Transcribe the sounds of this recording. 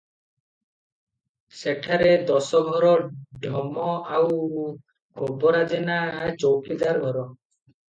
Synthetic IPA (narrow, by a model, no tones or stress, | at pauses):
ʃekʰaɾed̪ɔsɔɡʱɔɾɔɖʱɔmɔaw | kʰɔbɔɾad͡ʒenat͡ʃowkid̪aɾɡʱɔɾɔ